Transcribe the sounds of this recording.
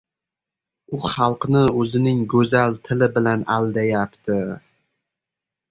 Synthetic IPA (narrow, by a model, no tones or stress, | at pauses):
ʊχɑlˠqnɪɵzɪnɪŋɡɵzalt̪ʰɪlɪbɪlanald̪ajapt̪ʰɪ